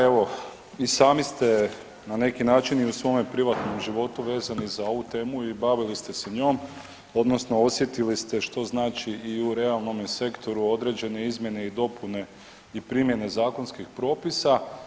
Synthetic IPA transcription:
e̞ʋo̞ | isaːmist̪e̞ | nane̞kinaːt͡ʃiniusʋo̞mepɾiʋat̪no̞mʒiʋo̞t̪uʋe̞ːzanizao̞ʋut̪e̞ːmuibaʋilist̪eseɲo̞ːm | o̞d̪no̞sno̞o̞sje̞t̪ilist̪e̞ʃt̪o̞znaːt͡ʃiiuɾe̞alˠno̞mjese̞kt̪ʰo̞ɾuo̞d̪ɾe̞d͡ʑe̞ne̞izmjene̞id̪o̞pune̞ | ipɾimje̞ne̞zaːko̞nskixpɾo̞ːpisa

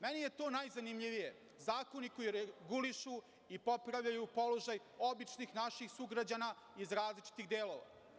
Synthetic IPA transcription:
menije̞t̪o̞ːnajzanimʎiʋije | zaːko̞niko̞jiɾeɡuliʃu | ipo̞pɾaʋʎajupo̞lo̞ʒaj | o̞bit͡ʃnixnaʃixsuɡɾad͡ʑana | izɾaːzlit͡ʃi̥t̪ixd̪eːlo̞ːʋa̰

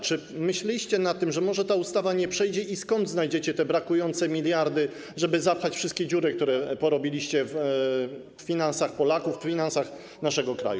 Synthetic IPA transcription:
t͡ʂɘ | mɘɕlʲɛiɕt͡ɕɛnat̪ːɘmʐɛmɔʐɛt̪aust̪avaɲɛpʂɛjd͡ʑɛʔiskɔnd̪znajd͡ʑet͡ɕɛt̪ɛbɾakujɔnt̪sɛmʲilʲjaɾd̪ɘ | ʐɛbɘzapxat͡ɕfʂɘst̪̚kʲɛd͡ʑuɾɘkt̪uɾɛpɔɾɔbʲilʲiɕt͡ɕɛf | fʲinansaxpɔlakuffʲinansax | naʂɛɡɔkɾa̰ju

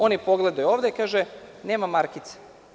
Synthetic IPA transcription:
o̞nipo̞ɡled̪ajuo̞ːʋd̪eikaːʒeneːmamaɾkit̪se̥

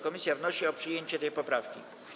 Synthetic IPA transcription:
kɔmʲisʲjavnɔɕiɔpʂɘjeɲt͡ɕɛt̪ɛjpɔpɾafkʲḭ

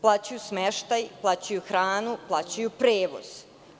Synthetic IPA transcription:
plˠaːt͡ɕujusmeʃt̪ajplˠat͡ɕajuxɾaːnuplˠaːt͡ɕajupɾeːʋo̰z̥

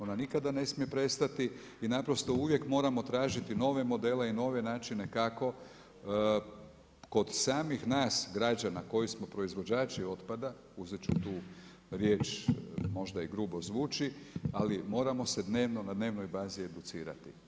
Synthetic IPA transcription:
o̞nanikad̪ane̞smije̞pɾe̞st̪at̪i | inapɾo̞st̪o̞uʋje̞kmo̞ːɾamo̞t̪ɾaːʒit̪ino̞ʋe̞mo̞d̪e̞ːleino̞ʋe̞naːt͡ʃine̞kako̞ | ko̞d̪saːmixnaːsɡɾad͡ʒanako̞jismo̞pɾo̞izʋo̞d͡ʒaːt͡ʃio̞t̪pad̪a | uzet͡ʃut̪uː | ɾjeːt͡ʃmo̞ʒd̪aiɡɾuːbo̞zʋuːt͡ʃialimo̞ːɾamo̞se̞d̪ne̞ːʋno̞nad̪neʋno̞jbaːzie̞d̪ut̪siːɾa̰t̪i

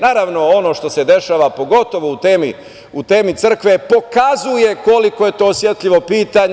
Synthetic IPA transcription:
naːɾaʋno̞o̞no̞ʃt̪o̞se̞d̪e̞ʃaːʋapo̞ɡo̞t̪o̞ʋout̪eːmḭ | ut̪e̞ːmit̪sr̩kʋe̞po̞kazuje̞ko̞liko̞je̞t̪o̞ːsʋjet̪ʎiʋo̞piːt̪aɲ

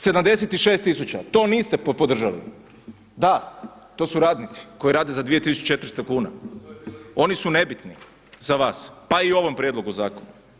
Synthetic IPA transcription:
se̞d̪amd̪e̞set̪iʃeːst̪is̬ut͡ʃa̰t̪o̞ːniːst̪e̞ppod̪r̩ʒalḭ | d̪a | t̪o̞ːsuɾaːd̪nit̪si̥ko̞jiɾaːd̪ezad̪ʋije̞t̪isut͡ʃt͡ʃe̞t̪ɾ̩st̪okuːna̰ | o̞nisune̞bit̪nḭ | zaʋaːspaio̞ʋo̞mpɾjed̪lo̞ɡuzaːkonu

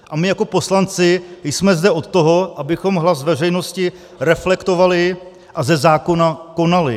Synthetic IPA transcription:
ʔamɪjako̞po̞slant͡sɪjsmɛzdɛʔot̪t̪o̞ɦo̞ʔabɪxo̞mɦlazvɛr̝ɛjno̞scɪ | ɾɛflɛkt̪o̞valɪ | ʔazɛzaːko̞nako̞nalɪ

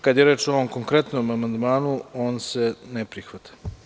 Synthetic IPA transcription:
kad̪jeɾe̞ːt͡ʃooʋomko̞ŋkɾet̪nomamand̪maːnuoːnsenepɾixʋat̪ʰḁ

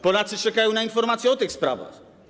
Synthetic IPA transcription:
pɔlat̪sɘt͡ʂɛkajɔ̃w̃nainfɔɾmat̪sʲjɛɔt̪ɪxspɾa̰va̰x

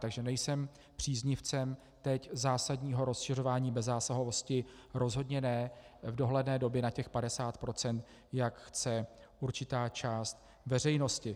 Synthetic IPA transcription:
t̪aɡʒɛnɛjsɛm | pr̝̥iːzɲɪft͡sɛm | t̪ɛczaːsadɲiːɦo̞ɾo̞sʃɪr̝o̞vaːɲiːbɛzːaːsaɦovo̞scɪɾo̞zɦo̞dɲɛnɛvdo̞ɦlɛdnɛːdo̞bjɛnacɛxpadɛsaːt̪pɾo̞t͡sɛnt̪ | jakxt͡sɛ | uɾt͡ʃɪt̪aːt͡ʃaːst̪̚ | vɛr̝ɛjno̞scɪ

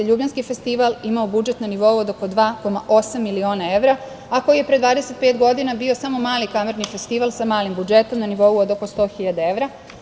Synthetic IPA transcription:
eʎuːbʎanskifest̪iʋalimaobud͡ʒe̞t̪naniʋo̞uod̪oko̞d̪ʋaːko̞maʔo̞samːilio̞ːnae̞ʋɾa | ako̞jije̞pɾed̪ʋaːd̪e̞se̞t̪̚peːt̪ɡo̞d̪inabio̞samo̞maːlikameɾnife̞st̪iʋalsamaːlimbud͡ʒe̞t̪o̞mnaniʋo̞uod̪o̞ko̞st̪o̞ːxiʎad̪ee̞ʋɾa

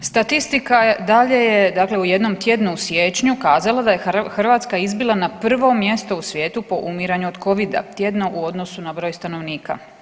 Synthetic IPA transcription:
st̪at̪ist̪ikad̪aʎe̞je̞d̪akle̞uje̞d̪no̞mt̪je̞d̪nuusjeːt͡ʃɲukaːzalˠad̪ajexrʋaːt̪skaizbilˠanapr̩ʋo̞mje̞st̪o̞usʋje̞ːt̪upo̞ʔumiɾaɲuod̪̥kʰo̞ʋid̪a̰t̪je̞d̪naʔuo̞d̪nosunabɾo̞ːjst̪ano̞ʋniːka̰

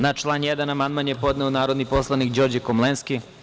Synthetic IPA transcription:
nat͡ʃlˠanjɛd̪anamand̪manjepo̞d̪nɛonaːɾod̪nipo̞slˠanikd͡ʑo̞ːɾd͡ʑekomlenski

